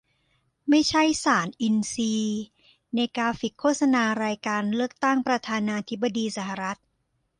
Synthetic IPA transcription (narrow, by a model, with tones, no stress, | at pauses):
ma˥˩jt͡ɕʰa˥˩jsaː˩˦nʔi˧nsiː˧ | na˧jkaː˧fi˨˩kʰoː˥˩t̪̚sa˧naː˧ɾaː˧jkaː˧nlɯ˥˩ək̚t̪a˥˩ŋpɾa˧t̪ʰaː˧naː˧t̪ʰi˦˥ba˧diː˧sa˩ɦa˨ɾa˦˥t̪̚